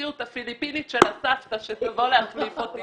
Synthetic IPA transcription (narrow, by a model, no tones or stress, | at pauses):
iutafilipinitʃe̞lasaft̪aʃesavoleaχlifot̪i